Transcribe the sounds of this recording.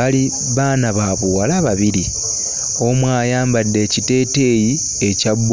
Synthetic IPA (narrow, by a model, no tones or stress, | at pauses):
ali | βaːnaβaβowalaβaβiɾi | o̞mwaːjaːmbadːe̞ːcite̞ːte̞ːji | ecabː